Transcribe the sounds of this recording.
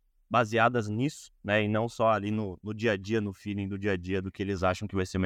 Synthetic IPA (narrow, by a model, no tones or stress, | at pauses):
baziad̪ɐznisʊ̥nɛɪnɐ̃w̃sɔalinʊnʊd͡ʒiɐd͡ʒiɐnʊfilẽd̪ʊd͡ʒiɐd͡ʒiɐd̪ʊkɪelɪzaʃɐ̃w̃kɪvajseɾm